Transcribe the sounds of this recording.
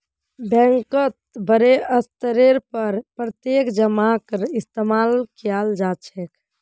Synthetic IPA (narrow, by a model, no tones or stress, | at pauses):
bɛ̃ŋkət̪̚bəɾeəst̪əɾeɾpəɾpɾət̪jekd͡ʒəmakəɾɪst̪emalkijald͡ʒat͡ʃʰek